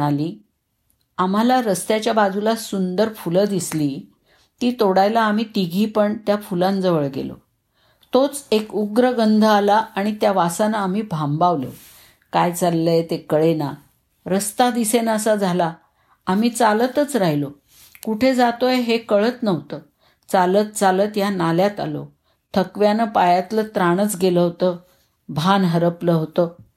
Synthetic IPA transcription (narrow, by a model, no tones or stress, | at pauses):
aliː | am̤alaɾəst̪jat͡ɕjabad͡zʱulasund̪əɾfuləd̪isliː | t̪iːt̪oɽajlaːm̤iːt̪iɡʱiːpəɳt̪jafulãnd͡zəʋəɭɡḛlo̰ | t̪ot͡sekuɡɾəɡənd̪ʱəalaaɽ̃it̪jaʋasanaːm̤iːbʱambaʋlḛ | kajt͡salːet̪ekəɭena | ɾəst̪ad̪isenəsad͡zʱalaː | m̤iːt͡salət̪ət͡sɾaɦjlo | kuʈʰed͡zat̪ojeɦekəɭət̪nəʋt̪əː | t͡salət̪̚t͡saləːt̪janaljat̪a̰lo̰ | t̪ʰəkʋjanəpajat̪lət̪ɾaɽ̃ət͡sɡeləɦot̪ə | bʱanɦəɾəpləɦot̪əː